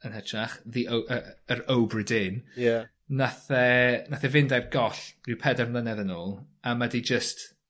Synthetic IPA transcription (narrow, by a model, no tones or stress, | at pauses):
ənhɛtʰraχðiʔowəəɾowbrɪdɪnja | naθɛnaθɛvɪndarɡ̥ɔɬrɪwpʰɛdɛrmlˠənɛðənoːlˠ | amadid͡ʒəst